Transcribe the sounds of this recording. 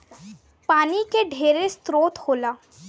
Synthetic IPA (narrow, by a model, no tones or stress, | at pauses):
paːnikeɖʱeːɾest̪ɾoːt̪hoːlaː